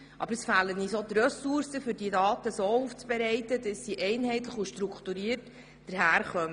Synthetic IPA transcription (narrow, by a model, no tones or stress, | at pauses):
ʔɑ̰bəɾəsfæːlənisot̪rœsuɾsəfʏɾdidɑːt̪əsoːuːft͡sb̥ɛɾɛɪtədəsːiʔɛɪnɦɛɪt̪ləχuʃtɾukχt̪uɾiərt | d̥əɾɦæːɾχœmə